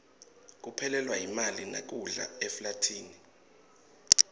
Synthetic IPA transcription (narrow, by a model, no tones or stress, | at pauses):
k̬ʼupʰɛlɛlwajimalina̰k̬uɮa̰ɛflatʰiːni